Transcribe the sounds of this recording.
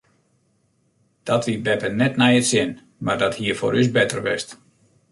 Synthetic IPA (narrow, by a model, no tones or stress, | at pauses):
d̥ɔtʋibɛpənɛtnɛjətsjɪn | mardɔthiːəfo̰ɾys̬bɛtərʋɪst